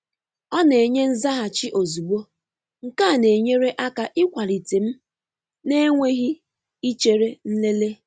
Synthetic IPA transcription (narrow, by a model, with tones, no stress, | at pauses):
ɔ˦ne˨ɲe˦n̩˦za˦ɦa˨t͡ʃi˦ʔo˨zu˨ɡ͡bo˦ | ŋ̩˨ka˦˨ne˨ɲe˦ɾe˦ʔa˦ka˨ʔɪ˦kʷa˨ɾi˨te˨m̩˦ | ne˦ŋʷe˦ɣi˦ | i˦t͡ʃe˨ɾe˦n̩˦le˦le˦